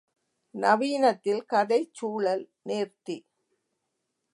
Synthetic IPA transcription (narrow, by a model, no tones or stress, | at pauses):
nɐʋiːnɐt̪ːɪlkɐðɐɪt͡ʃːuːɭɐl | neːrt̪i